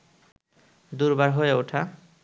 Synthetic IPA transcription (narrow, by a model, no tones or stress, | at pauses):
d̪uɾbaɾɦojeoʈʰa